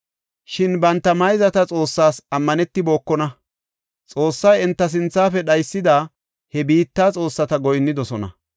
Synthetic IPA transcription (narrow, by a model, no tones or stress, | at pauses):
ʃɪnbɐnt̪ːɐmɐjzɐt̪ɐt͡sʼo̞ːsːaːsɐmːɐnɛt̪ːɪbo̞ːkːɔnɐ | t͡sʼo̞ːsːɐjɛnt̪ːɐs̬ɪnt͡sːaːfɛɗɐjsːɪd̪aː | hɛbiːt̪ːaːt͡sʼo̞ːsːɐt̪ɐɡɔjnːɪd̪ɔsɔnɐ̰